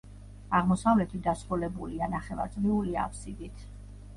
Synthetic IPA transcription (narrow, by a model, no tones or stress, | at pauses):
aʁmɔsavlɛt̪ʰid̪asɾulɛbulianaχɛva̰ɾt̪sʼʁiulia̰pʰsid̪it̪ʰ